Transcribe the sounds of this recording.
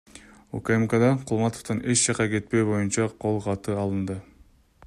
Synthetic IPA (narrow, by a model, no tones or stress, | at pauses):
ukemkad̪ɑqʰulˠmɑt̪oft̪ɑne̞t͡ʃd͡ʒɑqɑke̞t̪̚pe̞jbo̞junt͡ʃɑqʰo̞lˠqʰɑt̪ɯɑlˠɯnd̪ɯ